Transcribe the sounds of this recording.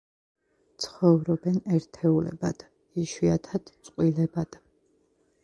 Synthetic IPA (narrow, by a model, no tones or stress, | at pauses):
t̪sʰχɔvɾɔbɛnɛɾt̪ʰɛulɛ̰ba̰d̪̥ | iʃiat̪ʰad̪̥t̪sʼqʼwilɛbad̪̥